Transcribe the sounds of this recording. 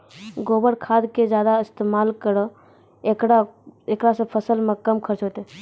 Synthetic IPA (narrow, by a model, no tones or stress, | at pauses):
ɡoːbəɽkʰad̪ked͡ʒjad̪aɪst̪emalkəɾɔ | ekɽaekɽasə̃pʰəsəlmekəmkʰəɾt͡ʃɦot̪e